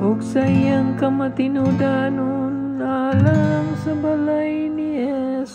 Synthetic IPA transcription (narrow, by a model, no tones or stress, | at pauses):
oksɐjɐŋkɐmɐt̪inuɖaːnu | n | aːlɐmsɐbɐlɐj | nie | s